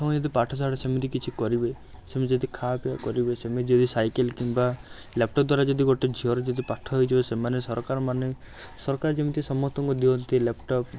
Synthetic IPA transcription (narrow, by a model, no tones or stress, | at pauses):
tʰɔ̃d͡ʒod̪ipaʈʰɔs̬aɽɔsemit̪ikit͡ʃʰikɔɾibe | semed͡ʒod̪ikʰapiakɔɾibesemet̪id͡ʒod̪isajkelkimba | lep̚ʈɔp̚d̪waɾad͡ʒɔd̪ʱiɡoʈed͡ʒʱiɦɔɾɔd͡ʒod̪ipaʈʰɔɦojd͡ʒʰibesemanesɔɾkaɾɔmane | sɔɾkaɾd͡ʒemit̪isɔmɔt̪ɔŋkud̪iɔnt̪ilepʈɔp